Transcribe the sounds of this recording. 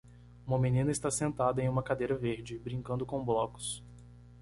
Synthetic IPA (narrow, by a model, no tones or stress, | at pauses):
ũmɐmenĩnɐɪst̪asẽnt̪ad̪ɐẽj̃ũmɐkad̪ejɾɐveɾd͡ʒɪbɾĩŋkɐ̃nd̪ʊkõblɔkʊ̥s